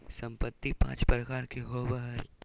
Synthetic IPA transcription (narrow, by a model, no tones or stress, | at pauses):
sɐ̃mpət̪ːipã̰ːt͡ʃpɾəkaːɾkeɦoːbəɦəɾ